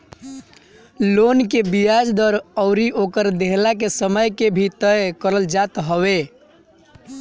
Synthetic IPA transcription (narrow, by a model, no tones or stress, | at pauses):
lonkebijad͡ʒd̪əɾəʊɾiʔokəɾd̪eɦlakesəməjkebʱit̪əjkəɾəld͡ʒat̪ɦəβe